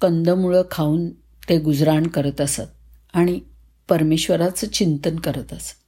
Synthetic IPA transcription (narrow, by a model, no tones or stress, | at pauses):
kənd̪ʱəmuɭəkʰauːn | t̪eɡud͡zɾaɳkəɾət̪asat̪̚ | aɽ̃i | pəɾmeɕʋəɾat͡sət͡ɕint̪ənkəɾət̪əsḁt̪